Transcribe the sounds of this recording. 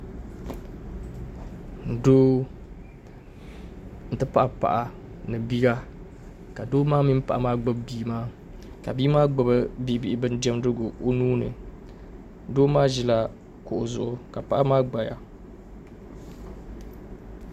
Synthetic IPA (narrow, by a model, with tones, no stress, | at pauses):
doː˦ | n̩˨tɨ˦pa˦ʔa˨pa̰˨ʔa˨ | nɨ˨bi˦ɡa˦ | ka˨doː˦maː˦mi˦m˦pa̰˨ʔa˦maː˦ɡ͡bɨ˦bbiː˦maː˦ | ka̰˨bi˦maː˦ɡ͡bɨ˨bɨ˦bi˦˨˦bi˨ʔɪ˦bɨ˦n˦dɛ˦m˦dɨ˦ɡʊ˨o˦nuː˦nɨ̰˨ | doː˦maː˦ʒi˨la˨ | kʊ˨ʔʊ˨zʊ˨ʔʊ˨ka˨pa˦ʔa˦maː˦ɡ͡ba˨ja̰˨